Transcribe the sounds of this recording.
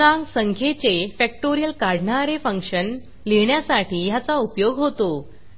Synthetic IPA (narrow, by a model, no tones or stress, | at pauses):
ãŋɡsəŋkʰet͡sefɛk̚ʈoɾijəlkaɽ̤ɳaɾefə̃ŋkʂən | leɳjasaʈiːjat͡saupjoɡɦot̪o